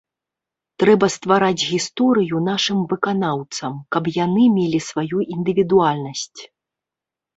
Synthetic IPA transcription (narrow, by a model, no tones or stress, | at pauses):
t̪ɾɛbɐst̪vaɾad͡zʲɣʲist̪ɔɾɨjunaʂɨmvɨkanawt̪sɐmkɐpjanɨmʲelʲisvajuʔind̪ɨvʲid̪ualʲnɐsʲt͡sʲ